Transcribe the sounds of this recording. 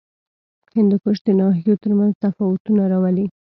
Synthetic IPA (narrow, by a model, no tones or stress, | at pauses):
hɪnd̪ʊkʊʃd̪ənɑɦijot̪əɾmanzt̪afɑwʊt̪unaɾɑwali